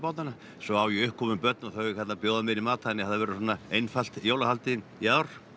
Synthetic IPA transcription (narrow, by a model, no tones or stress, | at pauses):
pawt̪ana | sɔawjɪʏhkʰːɔmʏmpœt̪naθœɥjɪkhɛt̪napjoːwðamɪɾimaːt̪aɛnjɛhaðavɛːɾɪsɔːnːaejnfal̥t̪jowlahalt̪ɪnjaːwɾ̥